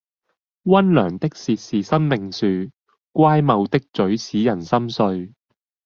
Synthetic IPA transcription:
wɐ˥nlœː˨˩ŋt̪ɪ˥k̚siː˧t̚siː˨sɐ˥mmɪ˨ŋsyː˨˧ | kʷaː˥jmɐ˨˧wt̪ɪ˥k̚t͡sɵ˨˥ɥsiː˨˥jɐ˨˩nsɐ˥msɵ˧ɥ

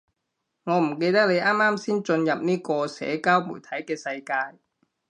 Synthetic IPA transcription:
ŋɔː˨˧m̩˨˩ke˧jt̪ɐ˥k̚ne˨˧jʔaː˥mːaː˥msiː˥nt͡ʃɵ˧njɐ˨p̚niː˥kɔː˧sɛ̰ː˨˥kaː˥wmṵː˨˩jt̪ʰɐ˨˥jkɛː˧sɐ˧jkaː˧j

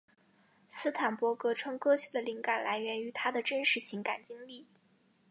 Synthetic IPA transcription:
sɹ̩˥t̪ʰa˨˩npwɔ˧˥kɤ˧˥ʈ͡ʂʰɤ˥ŋkɤ˥t͡ɕʰy˨˧˩d̪ə˦li˧˥ŋka˨˩nla˧˥ɪɥɛ˧˥ny˧˥t̪ʰa˥d̪ə˨ʈ͡ʂə˥nʂɻ̩˧˥t͡ɕʰi˧˥ŋka˨˩nt͡ɕi˥ŋli˥˩

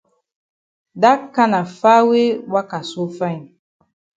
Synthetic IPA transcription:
da˦ka˦na˨fa˦we˦wa˦ka˨so˦fa˦˨ɲ˨

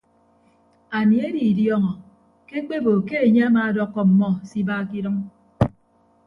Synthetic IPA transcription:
a˨ni˨e˦di˨djɔ˦ŋɔ˨ | ke˦k͡pe˦bo˨ke˦e˨ɲe˦a˦maː˨dɔ˦kːɔ˨m̩˨mɔ˦si˦baː˦k̬i˦ɾʌ˦ŋ

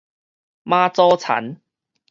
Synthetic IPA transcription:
mãː˦˥t͡sɔː˦˥t͡sʰa̰˨˦n

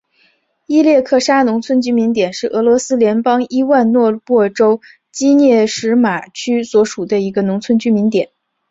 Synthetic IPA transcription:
i˥ljɛ˥˧kʰɤ˥˩ʂa˥nʊ˧˥ŋt͡sʰwə˥nt͡ɕy˥mi˧˥nt̪jɛ˨˩nʂɻ̩˥˩ʔɤ˧˥lwɔ˧˥sɹ̩˥ljɛ˧˥npɑ˥ŋi˥wa˥˧nnwɔ˥˧pwɔ˥˩ʈ͡ʂo˥ʊ | t͡ɕi˥njɛ˥˩ʂɻ̩˧˥ma˨˩t͡ɕʰy˥swɔ˧˥ʂu˨˩d̪ə˦i˧˥ɡə˧nʊ˧˥ŋt͡sʰwə˥nt͡ɕy˥mi˧˥nt̪jɛ˨˩˦n

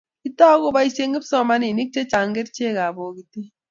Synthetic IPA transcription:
i˦tɔ˦ɣo˦ba˦i˦se˦ŋɡi˦psɔ˦ma˦ni˨ni˦k̚t͡ʃe˦t͡ʃa˨ŋɡe˦tt͡ʃe˦˨ka˨bo˨ki˨ti˦

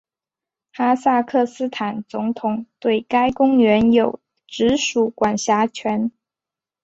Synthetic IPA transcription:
xa˥sa˥˧kʰɤ˥˩sɹ̩˥t̪ʰa˨˩nt͡sʊ˧˥ŋt̪ʰʊ˨˩ŋt̪we˥˩ɪka˥ɪkʊ˥ŋɥɛ˧˥njo˨˩ʊ | ʈ͡ʂɻ̩˧˥ʂu˨˩kwa˨˩nɕja˧˥t͡ɕʰɥɛ˧˥n

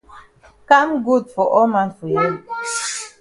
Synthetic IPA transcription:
ka˦mɡu˦˨dfɔ˨ʔɔ˦ma˦nfɔ˨ja˦˨

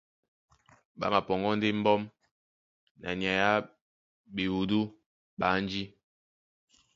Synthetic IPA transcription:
ɓa̰˦ma˨pɔ˨ŋɡɔ˦n˦de˦m̩˦bɔ˦m | na̰˨nja˨ja˦ | bi˨wu˨du˦ | ɓa˨˦n˦d͡ʒi˦

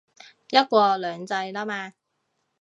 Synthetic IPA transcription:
jɐ˥t̚kʷɔː˧lœː˨˧ŋt͡sɐ˧jlaː˥maː˧

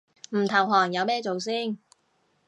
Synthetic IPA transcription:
m̩˨˩t̪ʰɐ˨˩wɦɔː˨˩ŋjɐ˨˧wmɛː˥t͡so˨wsiː˥˩n

